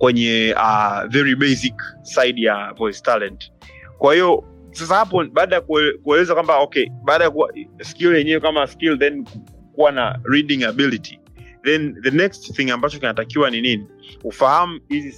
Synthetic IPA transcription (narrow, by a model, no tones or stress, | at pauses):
kwɛɲɛavɛɹiɓɛsiksajɗjavɔjstalɛnt | kwahiɔ | sas̬ahap̬ɔɓaːɗajakukuɛlɛzakwambaɔkɛɓaːɗajakuaskiljɛɲɛwɛkamaskilðɛnk | kuwanaɹiɗĩŋabilitʰi | ðɛnðənɛkstθiŋambat͡ʃɔkinatakiwanininiufaham̩hizi